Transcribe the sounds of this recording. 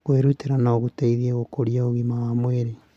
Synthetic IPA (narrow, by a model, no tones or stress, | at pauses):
kweɾuteɾanaoɣutaiðieɣokoɾiaoɣimawamweɾe